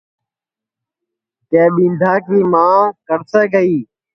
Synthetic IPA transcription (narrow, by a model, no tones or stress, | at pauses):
k̪ẽːɓĩːnd̪ʱaːkiːmãːkəɾseːkəiː